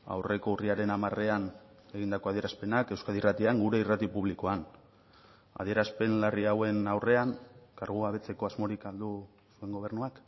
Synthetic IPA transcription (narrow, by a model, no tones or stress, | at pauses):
a̰wre̞ko̞uriaɾe̞namare̞an | e̞ɣind̪ako̞aðie̞ɾaspe̞nake̞wskaðirat̪iaŋɡuɾe̞irat̪ipuβliko̞an | a̰ðieɾaspe̞nlariawe̞nawre̞aŋkaɾɣuaβe̞t͡se̞ko̞azmo̞ɾikald̪u | sue̞ŋɡo̞β̞e̞ɾrnuak